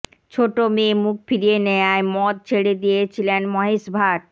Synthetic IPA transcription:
t͡ɕʰoʈomemuk̚fiɾienejaemɔt̪̚t͡ɕʰeɽed̪ijet͡ɕʰilenmɔɦiʃbʱaʈ̚

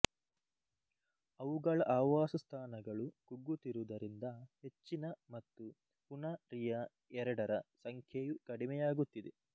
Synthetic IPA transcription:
ɐʋuɡɐɭɐʔaːʋaːsɐst̪ʰaːnɐɡɐɭukuɡːut̪iɾud̪ɐɾind̪ɐhe̞t͡ʃːinɐmɐt̪ːu | punɐɾijɐ | ɛɾɐɽɐɾɐsɐŋkʰjejukɐɽimɛjaːɡut̪ːid̪e

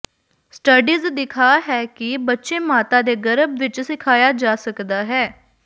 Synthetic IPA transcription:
sʈəɖiːzd̪ɪkʰaːɦɛːkɪbətːʃeːmaːt̪ãːd̪eːɡəɾəbʋɪt͡ʃsɪkʰaːjaːd͡ʒaːsəkd̪aːɦɛː

